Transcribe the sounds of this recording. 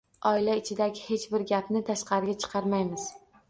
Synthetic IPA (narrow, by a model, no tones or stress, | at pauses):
ɒɪlaɪt͡ʃʰɪd̪aɡʲɪhe̞t͡ʃbɪɾɡʲapnɪt̪ʰaʃqɑɾɪɡʲat͡ʃʰɨ̥qʰɑɾmajmɪz̥